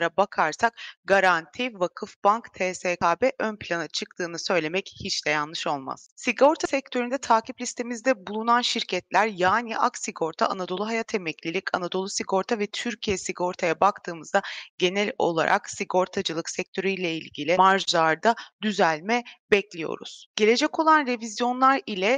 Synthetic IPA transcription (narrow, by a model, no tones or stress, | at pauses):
ɾabakʰaɾsak̚ɡaɾant̪ʰivakʰɯfbankt̪ʰeːseːkaːbɛʔønpʰlʲanat͡ʃʰɯk̚t̪ʰɯːnɯsø̞jlʲe̞mɛchit͡ʃd̪ɛjanlˠɯʃo̞lˠma̰z̥siɡo̞ɾt̪ʰasɛc̚t̪ʰøɾynd̪ɛt̪ʰaːciplʲist̪ʰe̞mizd̪ɛbulˠunanʃiɾcʰɛt̪lʲæɾjaːniʔa̰ksiɡo̞ɾt̪ʰa̰ʔanad̪o̞lˠuɦajat̪ʰemɛclʲilʲicʰa̰nad̪o̞lˠusiɡo̞ɾt̪ʰavɛt̪ʰyɾcʰijɛsiɡo̞ɾt̪ʰajabakt̪ʰɯːmɯzd̪aɟ̥e̞nɛlʲo̞̰lˠa̰ɾʔa̰ksiɡo̞ɾt̪ʰad͡ʒɯlˠɯksɛc̚t̪ʰø̞ɾyjlʲɛilʲɟilʲimaɾʒlˠaɾd̪ad̪yzælʲmɛbɛclʲijo̞̰ɾṵz̥ɟ̥e̞lʲe̞d͡ʒɛco̞lˠanɾe̞vizjo̞nlˠaɾilʲɛ